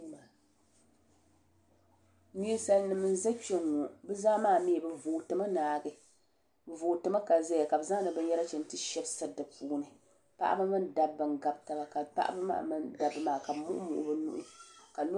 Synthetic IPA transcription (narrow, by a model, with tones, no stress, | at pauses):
a˨ | ni˦sa˦lnɨ˨mɨ˦n̩˦za˦t͡ʃo˦ŋːo˨bɨ˦zaː˦maː˦˨mi˦˨bɨ˨voː˨tɨ˨ma˦naː˨ɡɨ˦ | bɨ˨vo˨tɨ˨˦ma˦ka˨za˦ja˨ka˨bɨ˨za˦nɨ˨bɨ˦n˦jɛ˦ɾa˦t͡ʃɛ˨n˦tɨ˦ʃɛ˦bsa˦dɨ˨puː˦nɨ˨ | pa̰˦ʔa̰˦bɨ˦mɨ˦nda˨bːɨ˨ŋɡa˨b̚ta˨ba˨ka˨pa̰˦ʔa̰˦bɨ˦ma̰ː˦˨mɨ˦nda˨bɨ˦maː˨ka˨bmʊ̰˦ʔʊ̰˦mʊ̰˨ʔʊ̰˦bɨ˦nṵ˦˨ʔʊ˦ka˨l